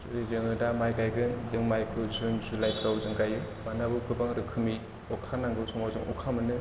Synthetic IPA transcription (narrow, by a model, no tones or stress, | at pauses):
sɯɾizɯŋɯdamajɡajɡɯzɯŋmajkʰɯzunzulajpʰɾawzɯŋɡajɯ | manabɯkʰɯbaŋɾɯkʰɯmi | ɔkʰanaŋɡɯsɔmawzɯŋʔɔ̰kʰamɯnɯ